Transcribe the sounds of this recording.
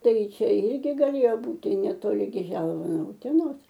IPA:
ˈtɐɪ ˈt͡ʃʲɛ ˈɪrʲɡʲɪ ɡɐˈlʲeːjoː ˈbuːtʲɪ nʲɛtoːˈlʲɪ ˈɡʲɪ ˈʒʲɛlˠʋɐ noː ʊtʲɛˈnoːs

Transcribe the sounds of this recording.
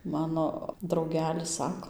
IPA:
ˈmɑːnoː drɐʊˈɡʲæːlʲɪs ˈsɑːkoː

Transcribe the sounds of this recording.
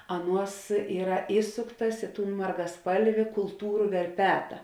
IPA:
ˈɑːˌnuɔs ˈiːrɐ ˈiːsʊktɐs ˈɪ ˌtuːn mɐrɡɐˈspɐlʲʋʲɪ kʊlˠˈtuːrʊ ʋʲɛrʲˈpʲæːtɐ

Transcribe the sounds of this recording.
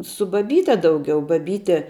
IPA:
sʊ bɐˈbʲiːtʲɛ dɐʊˈɡʲɛʊ bɐˈbʲiːtʲɛ

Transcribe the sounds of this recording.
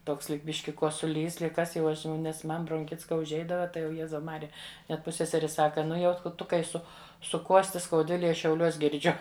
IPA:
ˈtoːks ˈlʲiːk ˈbʲɪʃʲkʲɪ koːsʊˈlʲiːs ˈlʲiːk ˈkɐs jɛʊ ˈɐʃ jɛʊ nʲɛs ˈmɐn broːŋʲˈxʲɪts kɐ ʊʒʲˈɛɪdɐʋɐ ˈtɐɪ jɛʊ ˈjæːzɐʊ ˈmɑːrʲɪjɛ nʲɛt ˈpʊsʲsʲɛsʲɛrʲɪ ˈsɑːkɐ ˈnʊ jɛʊ ˈtʊ kɐɪ ˈsʊ sʊˈkuɔsʲtʲɪ skɐʊˈdʲʋʲɪlʲeːj ˈɐʃ ʃʲɛʊˈlʲuɔs ɡʲɪrʲˈd͡ʒʲʊ

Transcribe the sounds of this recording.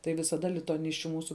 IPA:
tɐɪ ʋʲɪsɐˈdɐ lʲɪtʊɐˈnʲɪsʲt͡ʃʲʊ ˈmuːsʊ

